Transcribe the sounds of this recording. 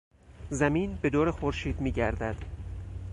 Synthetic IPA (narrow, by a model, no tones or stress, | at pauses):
zæmiːnbe̞d̪oːɾexoɾʃiːd̪miːɟæɾd̪æd̪̥